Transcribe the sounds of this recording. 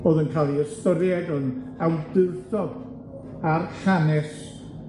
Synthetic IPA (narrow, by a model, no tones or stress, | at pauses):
b̥oːðənkʰalˠiəstəɾjɛdən | awdɨrθɔd | arɬanɛs